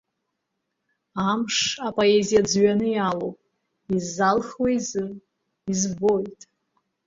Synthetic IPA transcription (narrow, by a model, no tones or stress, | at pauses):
amʂapʼoe̞zijad͡zɥanɨjalowpʼ | izːalχwejzɨ | izbo̞jtʼ